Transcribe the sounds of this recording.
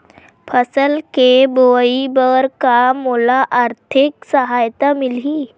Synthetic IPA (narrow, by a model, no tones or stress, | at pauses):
pʰəsəlkeboibəɾkamolaʔaɾt̪ʰiksəɦajt̪amili